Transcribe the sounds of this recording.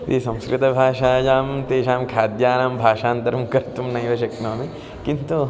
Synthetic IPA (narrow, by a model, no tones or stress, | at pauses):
t̪isɐ̃mskɾɪt̪ɐbʱaːʃaːd͡ʒaːmt̪eːʃaːmkʰaːd̪jaːnaːmbʱaːʃaːnt̪ɐɾɐmkɐɾt̪umnɐjʋɐʃ̬ɐknoːmi | kint̪u